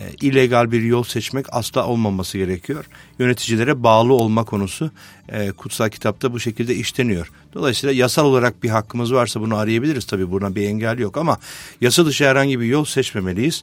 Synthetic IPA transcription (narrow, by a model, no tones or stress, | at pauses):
ilʲːe̞ɡalʲbiɾjolˠsɛt͡ʃmɛca̰slˠaʔo̞lˠmamasɯɟe̞ɾecʰijo̞ɾ̥jø̞ne̞t̪ʰid͡ʒilʲe̞ɾɛbaːlˠɯo̞lˠmakʰo̞nusu | kʰut̪salˠcʰi̥t̪ʰap̚t̪ʰabuʃe̞cʰilʲd̪ɛiʃt̪ʰe̞nijo̞ɾ̥ | d̪̥o̞lˠajsiːlˠajasalˠo̞lˠaɾak̚biɦakʰːɯmɯzvaɾsabunuaɾɯjabilʲiɾizt̪ʰabiːbuɾnabiɛɲɟalʲːijo̞kamajasad̪ɯʃɯhæɾhaɲɟibijo̞lˠsɛt͡ʃme̞me̞lʲijiz̥